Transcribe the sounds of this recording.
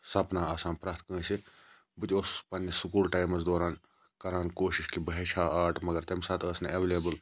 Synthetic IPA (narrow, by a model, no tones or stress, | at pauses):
sɐpnaːaːsaːnpɾaːt̪̚ʰkə̃ːsi | bɨt̪oːsspɐnːjɐsʊkuːlʈaːjmɐzd̪oːɾaːn | kɐɾaːnkoːʃiʃkibɐɦeʃʰaːaːʈmɐɡɐɾt̪ɐmʲsaːt̪əsnɐɐʋeːleːbəl